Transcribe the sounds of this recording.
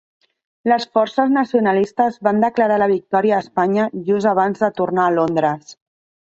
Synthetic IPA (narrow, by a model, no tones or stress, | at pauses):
ləsfɔrsəznəsiunəlist̪əzβand̪əkləɾaləβ̞ik̚t̪ɔɾiəːspaɲəʒuzəβ̞anzðət̪urnaːlond̪ɾəs